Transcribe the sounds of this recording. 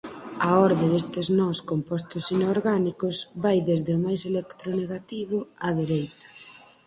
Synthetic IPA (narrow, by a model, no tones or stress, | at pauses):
ɐɔɾðeðest̪eznɔskompɔst̪ʊsinoɾɣanikʊsβajðezðɪʊmajselekt̪ɾʊneɣat̪iβʊaðeɾejt̪ɐ̥